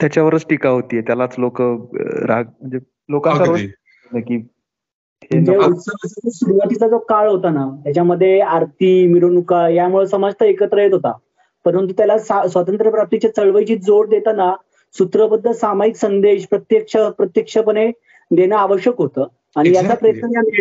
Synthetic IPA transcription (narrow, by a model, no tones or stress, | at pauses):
t̪jat͡ɕjaʋəɾət͡sʈikaɦot̪iːjet̪jalat͡slokə̰ɾaɡ̚m̤əɳd͡ze | lokat͡saɾo | naki | t̪ed͡zeut̪səʋsət͡səsuɾuʋat̪it͡sad͡zokaɭɦot̪anat̪jat͡ɕjaməd̪ʱːjeaɾt̪iːmiɾonukajamuɭesəməd͡zt̪əekət̪ɾəjet̪ɦot̪a̰ | pəɾənt̪ut̪jalasasʋət̪ənt̪ɾəpɾap̚t̪it͡ɕjat͡səɭʋəjt͡ɕiːd͡zoɽd̪et̪ana | sut̪ɾəbəd̪ːəlsamajiksənd̪eɕpɾət̪jəkʂəpɾət̪jəkʂəpəɽ̃e | d̪enaaʋəɕjəkɦot̪əː | aɽ̃ijat͡sapɾəjt̪naam